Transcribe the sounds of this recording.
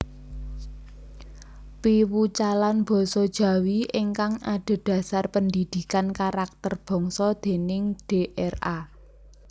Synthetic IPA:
piwut͡ʃalanb̥ɔ̤sɔd̥ʒ̥ä̤wiʔɪŋkaŋaɖ̪̥o̤d̪̥ä̤sarpənd̪id̪̥i̤kankaɾak̚t̪ərb̥ɔ̤ŋsɔd̪̥e̤nɪŋɖ̥eʔɛra

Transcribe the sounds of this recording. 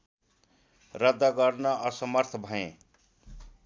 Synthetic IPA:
rʌd̪ːaɡʌrnʌʔʌsʌmʌrt̪ʰʌbʱʌẽ

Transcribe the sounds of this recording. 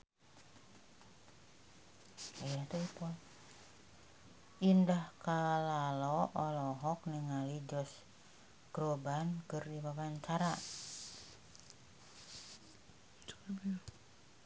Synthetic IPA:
ajat̪uipɔl | indahkalalɔʔɔlɔɦɔk̚niŋalid͡ʒɔs | ɡ̥ɾobankərdibawaɲt͡ʃaɾa | t͡ʃb

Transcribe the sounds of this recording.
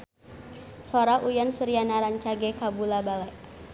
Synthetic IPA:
sɔɾaʔujansuɾianaɾaɲt͡ʃaɡɛkabulabalɛʔ

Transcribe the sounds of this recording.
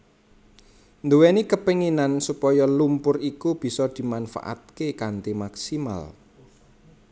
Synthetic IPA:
nd̪uwenikəpiŋinansupɔjɔlumpʊrikub̥i̤sɔd̪̥i̤manfa̰ʔa̰t̪̚kekant̪imaksima̰l

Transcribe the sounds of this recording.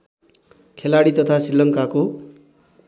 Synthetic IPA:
kʰelaɽit̪ʌt̪ʰasilːʌŋkako

